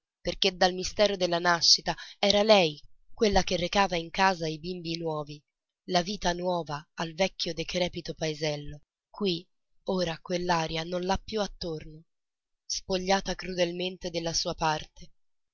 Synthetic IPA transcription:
perk̟ed̪ːalmist̪ɛːɾod̪elːanaʃːit̪aɛːɾalɛjkwelːakerːekaːvaiŋkaːzaibimbinwɔːvi | laviːt̪anwɔːvaːlvɛkːjod̪ekɾɛːpit̪opaezɛlːo | kwi | oːɾakwelːaːɾjanonlapːjuat̪ːorno | spoʎːaːt̪akɾud̪elment̪ed̪elːasuːapart̪ʰe

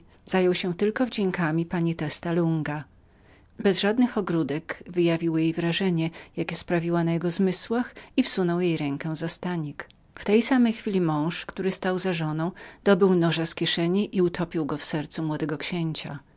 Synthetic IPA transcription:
z̥ajɔwɕɛt̪ɘlkɔvd͡ʑeŋkamʲipaɲit̪ɛst̪aluŋɡa | bɛzʐad̪nɘxɔɡɾud̪ɛɡvɘjavʲiwjejvɾaʐɛɲɛjakʲɛspɾavʲiwanajɛɡɔzmɘswaxifsunɔwjejɾɛŋkɛzast̪aɲik | ft̪ɛjsamɛjxfʲilʲimɔ̃w̃ʂkt̪uɾɘst̪awzaʐɔnɔ̃w̃d̪̥ɔbɘwnɔʐaskʲɛʂɛɲiʔiut̪ʰɔpʲiwɡɔfsɛɾt̪sumwɔd̪ɛɡɔkɕeɲt͡ɕa

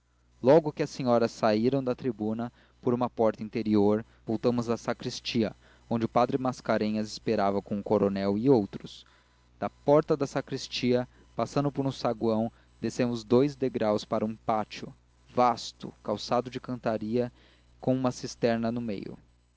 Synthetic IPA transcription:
lɔɡʊkɪɐsẽɲɔɾɐsaiɾɐ̃w̃d̪ɐt̪ɾibũnɐ | poɾũmɐpɔɾt̪ɐĩnt̪eɾioɾ | vowt̪ɐ̃mʊzɐsakɾist͡ʃiɐ | õd͡ʒɪʊpad̪ɾɪmaskaɾẽɲɐzɪspeɾavɐkõʊkoɾonɛwɪowt̪ɾʊs | d̪̥ɐpɔɾt̪ɐd̪ɐsakɾist͡ʃiɐ | pasɐ̃nd̪ʊpoɾũsaɡwɐ̃w̃ | d̪esẽmʊzd̪ojzd̪eɡɾawspaɾɐũpat͡ʃʊ | vast̪ʊ̰kawsad̪ʊd͡ʒɪkɐ̃nt̪aɾiɐ | kõũmɐsist̪ɛɾnɐnʊmḛjʊ̰

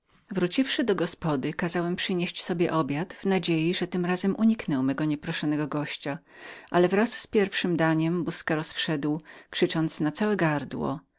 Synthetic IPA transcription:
vɾut͡ɕifʂɘd̪ɔɡɔspɔd̪ɘkazawɛmpʂɘɲeɕt͡ɕsɔbʲjɛʔɔbʲjat̪vnad͡ʑejiʐɛt̪ɘmɾazɛmʔuɲiknɛwmɛɡɔɲɛpɾɔʂɔnɛɡɔɡɔɕt͡ɕa | ʔalɛvɾasːpʲjɛɾfʂɘmd̪aɲɛmbuskaɾɔsfʂɛd̪wkʂɘt͡ʂɔnt̪snat̪sawɛɡaɾd̪wɔ̰

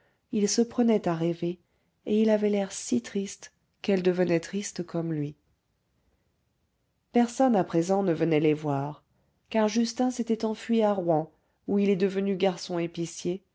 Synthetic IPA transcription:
ilsəpχənɛt̪aʁeve | eilavɛlɛʁsit̪χist̪ | kɛld̪əvənɛt̪χist̪kʰɔmlɥi | pɛʁsɔnapχezɑ̃nəvənɛlɛvwaʁ | kaʁʒyst̪ɛ̃set̪ɛt̪ɑ̃fɥiaʁwɑ̃ | uilɛd̪əvənyɡaʁsɔ̃episje

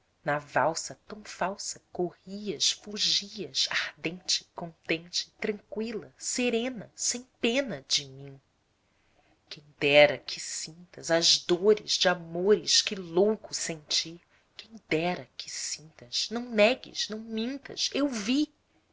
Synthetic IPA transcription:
nɐvawsɐt̪ɐ̃w̃fawsɐkohiɐʃfuʒiɐzahd̪ẽnt͡ʃɪ̥kõnt̪ẽnt͡ʃɪ̥t̪ɾɐ̃ŋkwilɐseɾẽnɐsẽj̃pẽnɐd͡ʒɪmĩ | kẽj̃d̪ɛɾɐkʰɪsĩnt̪ɐzɐzd̪oɾɪzd͡ʒɪamoɾɪʃkɪlowkʊsẽnt͡ʃi | kẽj̃d̪ɛɾɐkɪ̥sĩnt̪ɐz̥nɐ̃w̃nɛɡɪ̰ʃnɐ̃w̃mĩnt̪ɐ̰zewvi

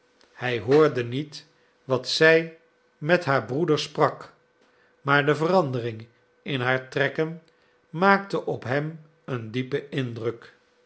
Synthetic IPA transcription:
hɛjɦoːɹdənit | ʋɑtsɛj | mɛtɦaːɹbrudəɹsprɑk | maːɹdəvərɑndərɪŋ | ɪnɦaːɹtrɛkən | mːaːktəʔɔpɦɛm | əndipəɪndrɵk

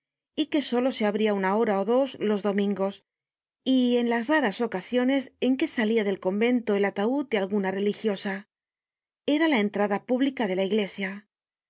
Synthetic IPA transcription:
ike̞so̞lo̞se̞aβɾiaunao̞ɾaoðo̞zlo̞zðo̞mĩŋɡo̞s | ie̞nlazraɾaso̞kasjo̞ne̞se̞ŋke̞saliaðe̞lko̞mbe̞nt̪o̞e̞lat̪aud̪ealɣunare̞lixjo̞sa | e̞ɾalae̞nt̪ɾaðapuβlikaðe̞laiɣle̞sja

